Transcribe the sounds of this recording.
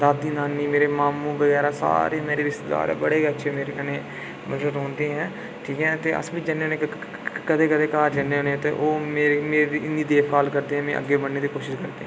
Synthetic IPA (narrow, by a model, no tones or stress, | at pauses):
d̪aːd̪iːnaːnːiːmeːɾeːmaːmũːbəɡɛːɾaːsa̰ːɾeːmeːɾeːɾɪst̪ed̪a̰ːɾɛ̰ːbəɽeːətːʃʰeːmeːɾeːkəneː | məzɾəɾõːnd̪eːɦɛ̃ː | ʈʰiːkɦɛ̃ːt̪eːʔə̰sbiːd͡ʒənːeːoːneː | kəd̪eːkəd̪eːkaːɾd͡ʒəneːɦoːnẽːt̪ḛːʔoːmeːɾmeːiɪnd̪iːd̪eːʋkaːlkəɾd̪eːɦɛ̃ːmɛ̰̃ːʔə̰ɡːeːbəɽeːd̪iːkoːʃɪʃkəɾd̪eːɛ̃